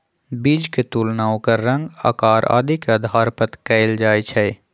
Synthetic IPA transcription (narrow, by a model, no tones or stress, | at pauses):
bid͡ʒket̪ulnaːwkɐɾːə̃ŋɡə̰kaːɾʔa̰ːd̪ikeəd̪ʱaːɾpət̪kɛɪld͡ʒaːjt͡ʃʰɛ